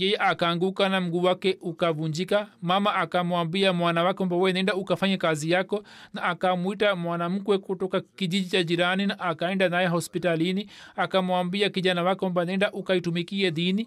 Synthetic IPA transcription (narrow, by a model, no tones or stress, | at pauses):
jɛjɛʔakaːŋɡukanam̩ɡuːwakɛʔukavuɲd͡ʒikamamaʔakamuambiamwanawakɛwambawɛɛnɛndaukafaɲakazijakɔnaːkamuitamwanam̩kwɛkutɔkakiʄiʄit͡ʃad͡ʒiɾaninaʔakaɛndanajɛɦɔspitalini | akamuambiakiʄanawakɛwambanɛndaʔukaitumikiɛðini